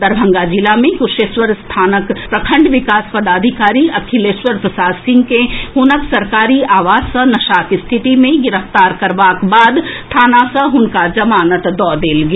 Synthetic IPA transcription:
d̪ɐɾbʱɐ̃ŋɡad͡ʒilamẽkʊʃeːsʋəɾst̪ʰaːnəkpɾɐkʰə̃ɳɖʋɪkaːspɐd̪aːd̪ʱikaːɾiɐkʰileːʃʋəɾpɾɐsaːsɪ̃ŋɡkeɦʊnəksɐɾkaːɾiaːʋaːzsɐ̃nɐʃaːkist̪ʰɪt̪imẽɡɪɾəft̪aːɾkɐɾbaːkbaːd̪t̪ʰaːnaːsɐɦʊnkad͡ʒɐmaːnət̪d̪ɔːd̪eːlɡ

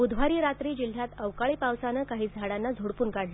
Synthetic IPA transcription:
ud̪ʱʋ̤aɾiːɾat̪ɾiːd͡ʑil̤ːjat̪əʋkaɭiːpawsanəkaɦiːt͡sd͡z̪ʱaɽanːad͡zʱoɽpuːnkaɽla

